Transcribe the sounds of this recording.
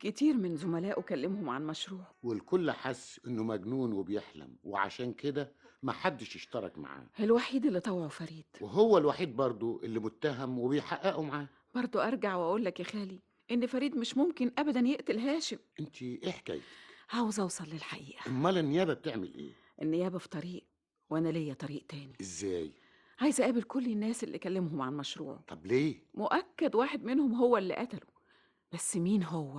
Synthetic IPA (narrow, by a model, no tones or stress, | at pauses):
kɪt̪iːɾmɪnzʊmælæːʔwekælːemhʊmʕanmæʃɾuːʕwelkolːʔaħasːʔenːomæɡnuːnwebjeħlæ̰mwḛʕa̰ʃæːnked̪æmæħad̪ːɪʃjeʃt̪ɑɾˤɑ̰kma̰ʕa̰ːʔelwaħiːd̪elːit̪ˤɑwʕofæɾiːd̪̥weɦowːælwaħiːd̪̚bɑɾˤd̪ˤoʔelːimʊt̪ːæɦæmwebejħaʔæʔumaʕaː | b̥ɑɾˤd̪ˤoʔɑɾˤɡaʕwʔæʔuːlːækjæxæːli | ʔenːfæɾiːd̪meʃmomkenʔæbæd̪ænjeʔt̪elɦæːʃemʔent̪ʰiʔeħkæ̰jt̪hæwzʔɑwsˤɑlːelħaʔḭːʔæʔmmːælænːejæːbæb̚t̪eʕmḛlʔḛː | ʔenːejæːbæfi̥t̪ˤɑɾiːʔ | wʔænælejːæt̪ˤɑɾiːʔt̪æːniʔezːæːj | ʕajzʔæʔæːbelkolːenːæːselːʔḭkælːemɦomʕanmæʃɾṵːʕo̰t̪ˤʰːɑbleːmoʔækːæd̪waːħed̪menhomɦowːælːḭʔæt̪ælo | b̥æsːmiːnɦowːæ